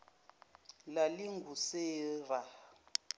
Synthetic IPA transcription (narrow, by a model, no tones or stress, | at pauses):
laliŋɡʱuseːra